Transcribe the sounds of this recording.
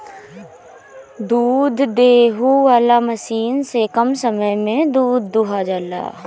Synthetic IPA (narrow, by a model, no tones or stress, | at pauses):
d̪uːd̪ʱd̪eːɦuʋaːlamɐsiːnsekɐmsəməjmẽd̪uːd̪ʱːuɦad͡ʒala̰ː